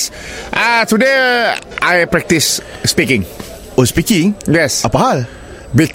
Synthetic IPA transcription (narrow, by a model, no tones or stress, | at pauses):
ʔatudeʔajpɹɛk̚tisːpikɪ̃ŋ | ɔspikɪ̃ŋjɛsapahal | bik